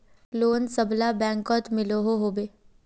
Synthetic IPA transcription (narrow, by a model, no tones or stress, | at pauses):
loːnsəblabɛ̃ːŋkɔːt̪mɪloɦoɦoːbeː